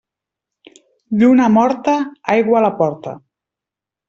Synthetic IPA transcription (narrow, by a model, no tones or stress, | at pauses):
d̪unamɔɾt̪aajɣwaːlapɔɾt̪a̰